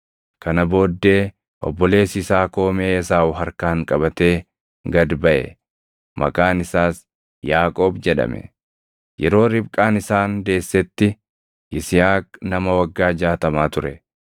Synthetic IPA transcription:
kɐnɐbo̞ːd̪ːe̞ː | ʔɔ̰bːɔle̞ːsɪsaːko̞ːmeːɪsaːʊɦɐɾkaːŋkʼɐbɐt̪e̞ː | ɡɐd̪bɐʔɛ̰ | mɐ̰kʼaːnɪsaːs | jaːkʼo̞ːbd͡ʒɛᶑɐ̰mɛ̰ | jɛɾo̞ːɾɪbkʼaːnɪsaːnd̪e̞ːsːɛt̪ːɪ | ʔɪsɪjaːknɐmɐwɐɡːaːd͡ʒaːt̪ɐmaːt̪ʊɾɛ

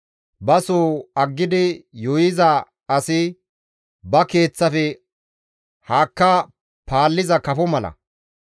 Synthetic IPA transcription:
bɐsoːɐɡːɪd̪ɪjɔjɪzɐ | ɐsɪ | bɐke̞ːt͡sːɐfɛ | haːkːa | paːlːɪzɐkɐfɔmɐlɐ̰

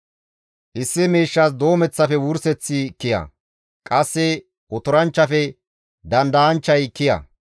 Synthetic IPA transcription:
ʔɪsːɪmeːʃːas̬d̪o̞ːmɛt͡sːɐfɛwʊɾsɛt͡sːɪkːɪjɐ̰ | kʼɐsːɛ | ʔɔt̪ɔɾɐnt͡ʃːɐfɛ | d̪ɐnd̪ɐɐnt͡ʃːɐjkːɪjɐ̰

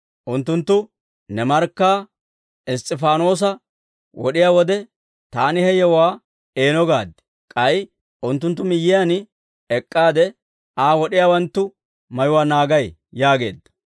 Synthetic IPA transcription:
ʔʊnt̪ːʊnt̪ːʊ | nɛmɐɾkːaː | ɪst̪ʼːɪfaːno̞ːs̬ɐ | wɔɗɪjaːwɔd̪ɛ | t̪aːnɪhɛjɛwaː | e̞ːnɔɡaːd̪ɛ̥ | kʼɐj | ʔʊnt̪ːʊnt̪̬ːʊmɪjːɪjan | ɛkʼːaːd̪ɛ | aːwɔɗɪjaːwɐnt̪ːʊ | mɐjʊwaːnaːɡɐj | jaːɡe̞̰ːd̪ːɐ̥

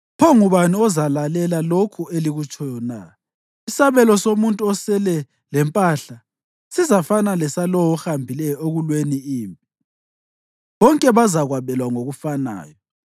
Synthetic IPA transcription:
pʰɔŋuβaniɔzalalɛlalokʰueliɣut͡ʃʼɔjɔna | isaβɛlɔsomuntʼuɔsɛlɛ | lɛmpʼaɬa | sizafanalɛsalɔwɔxambʱilɛjɔeɣulweniiːmpʼi | βɔŋkʼɛβazaɣwaβɛlwaŋoɣufana̰ːjɔ

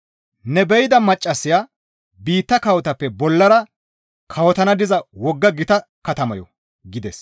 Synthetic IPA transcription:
nɛbɛjɪd̪ɐmɐt͡ʃʼːɐsːɪja | biːt̪ːɐkɐwɔt̪ɐpːɛbɔlːɐɾɐ | kʰɐwɔt̪ɐnɐd̪ɪzɐwɔɡːɐɡɪt̪ɐ | kɐt̪ɐmɐjɔ̰ | ɡɪd̪ɛs

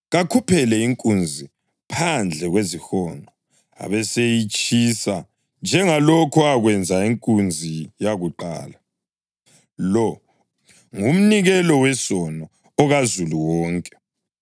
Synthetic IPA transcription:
ɣakʰupʰɛlɛiŋkʼund͡zʱi | pʰand͡ɮʱɛɣwezixɔːnɔ | a̰βɛsejit͡ʃʼisa | nd͡ʒʱɛŋalokʰɔaɣwɛnd͡zʱaiŋkʼund͡zʱijaɣuǃa̰ːla | lɔ | ŋum̩niɣɛlɔwɛsɔnɔː | ɣazuluwɔːŋkʼɛ̥

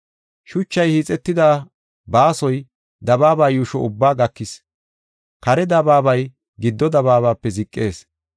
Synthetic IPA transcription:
ʃʊt͡ʃːɐjhiːt͡sʼːɛt̪ːɪd̪aː | baːsɔj | d̪ɐbaːbaːjuːʃɔʊbːaːɡɐkːɪs | kɐɾɛd̪ɐbaːbɐj | ɡɪd̪ːɔd̪ɐβaːβaːpːɛzɪkʼːe̞ːs

